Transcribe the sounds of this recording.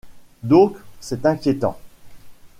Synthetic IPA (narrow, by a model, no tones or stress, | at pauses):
d̪ɔ̃ksɛt̪ɛ̃kʲjet̪ɑ̰̃